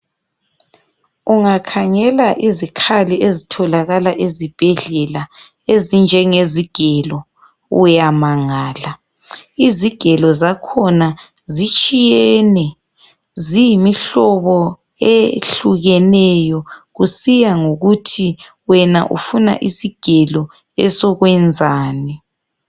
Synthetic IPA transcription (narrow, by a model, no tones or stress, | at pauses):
uŋakʰaŋɛlaʔizikʰaliʔezitʰɔlaɣalaʔezib̥ʱɛɮɛla | ezind͡ʒʱɛŋeziɡ̥ʱɛlɔ | ṵjamaŋaːla | iziɡ̥ʱɛlɔzakʰɔna | zit͡ʃʼijɛnɛ | zijimiɬɔβɔ | eɬuɣɛnɛjɔɣusijaŋoɣutʰi | wɛnaʔṵfuna̰ʔisiɡ̥ʱɛlɔ | ɛsɔɣwɛnd͡zʱaːnɛ